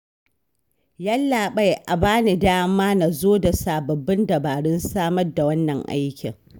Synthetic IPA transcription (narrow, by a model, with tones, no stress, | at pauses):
jɐ˦lːaː˨ɓa˦jʔa˨baː˦ni˨daː˦wɐ˦mːaː˦na˨zoː˦da˨saː˨bɐ˨bːɪ˦ndɐ˨baː˨ɽɪ˦nsaː˦mɐ˦rda˨wɐ˦nːɐ˨ŋʔa̰˦jkʲɪ̰˨ŋ